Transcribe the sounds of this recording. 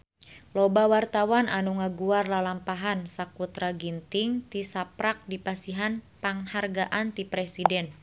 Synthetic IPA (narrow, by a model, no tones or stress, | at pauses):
lɔbawart̪awanʔanuŋaɡuarlalampaɦansakut̪ɾaɡint̪iŋt̪isapɾak̚dipasiɦanpaŋharɡaʔant̪ipɾɛsidɛn